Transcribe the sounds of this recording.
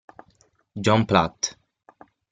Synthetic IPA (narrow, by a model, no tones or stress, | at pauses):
d͡ʒɔ̃mpla̰t̪